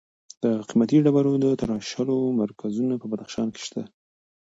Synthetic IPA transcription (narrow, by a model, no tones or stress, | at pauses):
d̪̥əqimat̪iɖabaɾod̪ət̪aɾɑʃalomaɾkazunapəbad̪axʃɑnke̥ʃt̪a